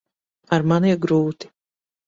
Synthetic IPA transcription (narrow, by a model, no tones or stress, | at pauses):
aɾmaniɛɡɾuːt̪i̥